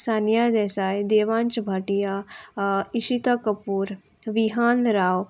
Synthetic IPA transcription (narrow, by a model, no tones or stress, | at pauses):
saːnijad̪ɛːsajd̪eːʋãnt͡ʃbʱaːʈija | iʃit̪akəpuːɾ | ʋiɦaːnɾaːw